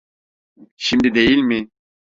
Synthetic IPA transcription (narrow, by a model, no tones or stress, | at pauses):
ʃimd̪id̪e̞jilʲmɪ